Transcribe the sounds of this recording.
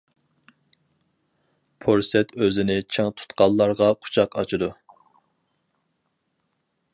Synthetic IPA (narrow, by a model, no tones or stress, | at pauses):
pʰoɾsɛt̪ʰøzɪnɪt͡ʃʰɪŋt̪ʰu̥t̪qɑllˠːɑɾʁɑqʰʊ̥t͡ʃʰɑqɑt͡ʃʰɨd̪u